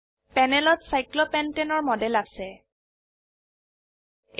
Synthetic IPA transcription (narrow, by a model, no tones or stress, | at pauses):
pɛnɛlɔtsajklɔpɛntɛnɔɹmɔdɛlasɛ